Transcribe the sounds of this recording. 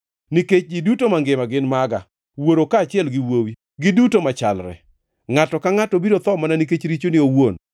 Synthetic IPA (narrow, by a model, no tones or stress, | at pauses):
niket͡ʃɡidutomaŋɡɪmaɡɪnmaɡa̰ | woɾokaːt͡ʃɪɛlɡɪwowi | ɡɪdutomat͡ʃa̰lɾɛ̰ | ŋatɔkaŋatɔbiɾot̪ɔmananiket͡ʃɾit͡ʃonɪowon